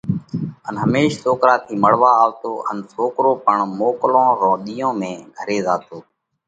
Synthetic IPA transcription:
ənɦəmeːʃsoːkɾaːt̪ʰiːməɽ̤ʋaːaːʋt̪oːʔə̰nsoːkɾoːpəɳmoːklõːɾõːɗiːõːmẽːɡʱəɾeːzaːt̪oː

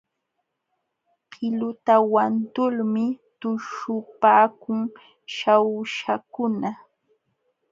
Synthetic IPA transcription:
hʰɪlʊt̪awant̪ʊlmɪt̪ʊʃʊpaːkʊŋ | ʃawʃakʊna

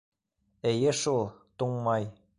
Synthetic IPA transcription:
ĕjɘ̆ʃulˠt̪uŋmɑj

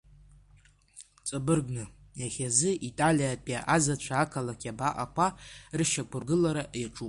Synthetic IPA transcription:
t͡sʼabɨrɡnɨjaχʲazɨʔitʼalʲijapʼiaʔazat͡ʃʷʰaːkʰalakʲʼabaʔakʷʰarɨʃakʷʰʊrɡɨlaɾaʔjaʈ͡ʂʼupʼ

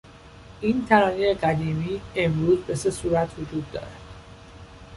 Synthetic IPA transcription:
ʔiːnt̪ʰæɾɒːnejeɢæd̪iːmiːe̞mɾuːzbe̞se̞suːɾæt̪ʰhod͡ʒuːd̪ːɒ̰ːɾæd̪̥

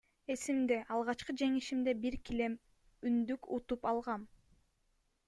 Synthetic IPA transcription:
e̞simd̪e̞ʔɑlˠʁɑt͡ʃqɯd͡ʒe̞ŋiʃimd̪e̞biɾkile̞m | ynd̪ykut̪upɑlˠʁɑn

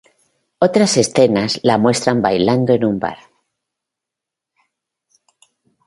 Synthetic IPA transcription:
o̞t̪ɾase̞sθe̞naslamwe̞st̪ɾambajland̪oe̞numba̰ɾ

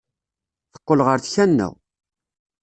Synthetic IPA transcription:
θə̥qːəlʁəɾθçænːæ̰

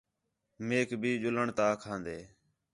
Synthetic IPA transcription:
meːkbʱiːʄʊləɳt̪aːkʰãːnd̪eː

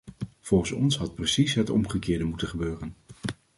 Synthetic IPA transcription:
v̥ɔlˠχənsɔ̰nsɦɑt̚prəsisɦətɔ̰mχəkɪːɹdəmutəχəbøːrən

